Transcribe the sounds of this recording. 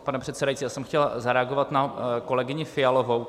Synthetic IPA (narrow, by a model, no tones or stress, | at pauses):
panɛpr̝̥ɛt̪sɛdajitt͡siːjaːsɛmxcɛlzaɾɛaɡovat̪nako̞lɛɡɪɲɪfɪjalovow